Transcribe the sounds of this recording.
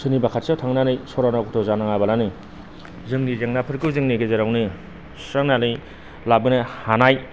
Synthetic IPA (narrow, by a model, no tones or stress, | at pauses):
sʰɯnibakʰat̚sawtʰaŋnanɯjsɔɾanakʰutʰɔzanaŋabalani | zɯŋnizeŋnapʰɯɾkɯwzɯŋniɡezeɾawni | saŋnanɯj | labɯnɯhanaj